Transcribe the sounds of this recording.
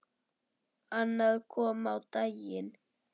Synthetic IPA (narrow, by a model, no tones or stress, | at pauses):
analkuamawt̪ajɪn